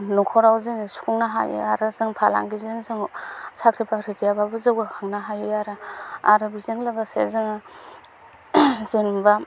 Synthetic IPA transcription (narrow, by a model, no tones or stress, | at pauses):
nokʰɔɾawzensu̥kʰuŋnaɦa̰jḛaɾɯzɯŋpʰala̰ŋɡizeŋzɯŋsakʰɾipʰaɾikʰijababɯzawɡakʰaŋnaɦajɯjaɾaa̰ɾɯbizeŋlaɡasḛzɯŋ | zenba